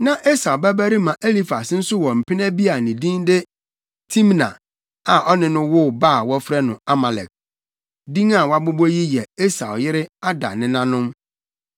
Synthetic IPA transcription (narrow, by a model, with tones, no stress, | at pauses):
nã˨ʔe˦sa˨wbæ˦bæ˦ɾi˦mã˨ʔe˦li˦fa˨sn̩˦sʊ˦wɔ̃˨m̩˨pʰɪ˦nɛ̃˦bi˦a˨nɪ̃˨dĩ˦ŋdɪ˦ | tʰĩ˦mnã̰˨ | a˨ʔɔ˦nɪ̃˨nʊ̃˦wʊ˦baː˦˨wɔ˦fɾɛ˦nʊ̃˨a˦ma˨lɛ̰˨k̚ | dĩ˦ŋa˨wa˦bʊ˦bɔ˦ji˦jɛ˨e˦sa˨ʊ˨jɪ˦ɾɪ˦a˦da̰˨nɪ̃˨nã˦nʊ̃˦m